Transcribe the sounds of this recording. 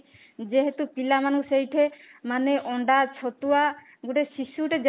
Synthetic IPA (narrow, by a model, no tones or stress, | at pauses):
d͡ʒeɦet̪upilamanusejʈʰemaneʔɔɳɖat͡ʃʰot̪ua | ɡuʈesiʃuʈed͡ʒ